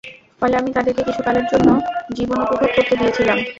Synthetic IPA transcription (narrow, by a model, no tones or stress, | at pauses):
fɔeleamit̪ad̪eɾkekit͡ɕʰukaleɾd͡ʑonːod͡ʑibonopobʱab̚koɾt̪eɦ̪ijet͡ɕʰilam